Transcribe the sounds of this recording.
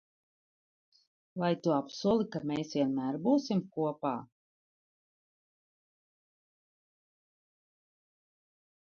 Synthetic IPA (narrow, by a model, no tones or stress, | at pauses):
vajt̪uapsuɔlˠikameːsviɛnmæːɾbuːsimkuɔpaː